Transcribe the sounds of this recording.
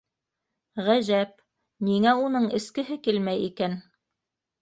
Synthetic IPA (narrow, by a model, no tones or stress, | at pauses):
ʁæʑæp̚ | niŋæunɤɴɘ̆skɘ̆ɦɘkilmæjikæn